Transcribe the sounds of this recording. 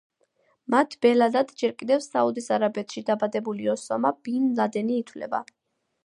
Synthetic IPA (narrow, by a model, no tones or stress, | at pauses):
mat̪ʰb̥ɛlad̪ad̪d͡ʒɛɾkʼid̪ɛvsaud̪isaɾabɛt̪ʰʃid̪abad̪ɛbuliɔsɔmabinlad̪ɛniːt̪ʰvlɛ̰ba̰